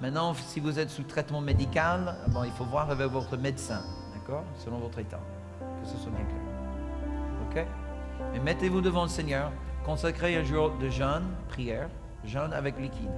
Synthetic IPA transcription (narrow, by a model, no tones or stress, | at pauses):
mɛ̃t̪nɑ̃sivuzɛt̪sut̪χɛt̪mɑ̃med̪ikal̰bɛ̃ilfovwaʁavɛkvɔt̪χəmed̪sɛ̃d̪akɔʁsəlɔ̃vɔt̪χet̪a̰ | kəsəswamɛ̃kɛ | okʲe | mɛmɛt̪evud̪əvɑ̃ləsɛɲœːʁkɔ̃sakχeɛ̃ʒyod̪əʒənpχijɛʁ | ʒəna̰vɛklikʲʰid̪